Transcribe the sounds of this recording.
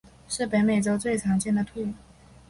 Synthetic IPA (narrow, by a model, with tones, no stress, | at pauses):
ʂɻ̩˥˩pe˧˥ɪme˨˩ɪʈ͡ʂo˥ʊt͡swe˥˩ɪʈ͡ʂʰɑ˧˥ŋt͡ɕjɛ˥˩nd̪ə˩t̪ʰu˥˩˨